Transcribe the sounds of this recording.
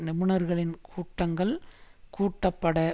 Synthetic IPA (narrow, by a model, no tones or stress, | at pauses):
nɪmɯnɐɾɣɐɭɪnkʰuːʈːɐŋɡɐɭkuːʈːɐpːɐɽɐ